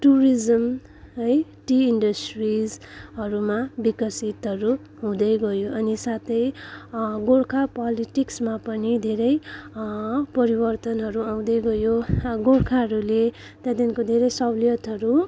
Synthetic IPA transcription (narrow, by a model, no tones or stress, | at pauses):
ʈuɾid͡zʌm | ʌj | ʈiiɳɖʌsʈrid͡zɦʌɾumabikʌsit̪ɦʌɾu | ɦũd̪ʌjɡʌjoʌnisat̪ʌj | ɡoɽkʰapʌliʈiksmapʌnid̪ʱeɾʌj | pʌɾibʌrt̪ʌnɦʌɾuaw̃d̪ʌjɡʌjoɡoɽkʰaɦʌɾule | t̪jãd̪inkod̪ʱeɾʌjsʌbliʌt̪ɦʌɾu